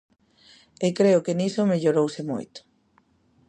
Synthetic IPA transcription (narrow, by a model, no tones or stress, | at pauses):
ekɾeʊkenisomeʎoɾowsemo̰jt̪ʊ̥